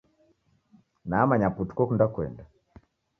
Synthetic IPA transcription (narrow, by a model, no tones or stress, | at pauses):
naːmaɲaputu̥kɔkundakwɛ̰nda